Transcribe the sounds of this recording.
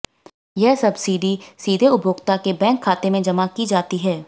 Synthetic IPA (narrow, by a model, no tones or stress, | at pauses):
jɛɦsɐbsiːɖisiːd̪ʱeʊbʱoːɡt̪akebɛ̃ːŋkʰːaːt̪emẽd͡ʒɐmakid͡ʒaːt̪iɦɛː